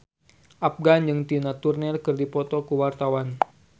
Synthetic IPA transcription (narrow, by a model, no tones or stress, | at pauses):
ʔap̚ɡand͡ʒɨŋt̪inat̪urnɛrkɨrdipɔt̪ɔkuwart̪awan